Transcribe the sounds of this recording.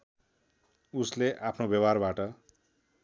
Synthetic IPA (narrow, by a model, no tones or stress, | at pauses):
usleʔapʰnobjʌbarbaʈʌ